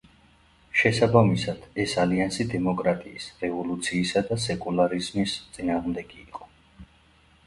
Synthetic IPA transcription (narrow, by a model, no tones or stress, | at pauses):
ʃɛsabamisad̪̥ɛsaliansid̪ɛmɔkʼɾat̪ʼiːsɾɛvɔlut̪sʰiːsad̪asɛkʼulˠaɾizmist̪sʼinaːʁmd̪ɛɡiːqʼɔ̥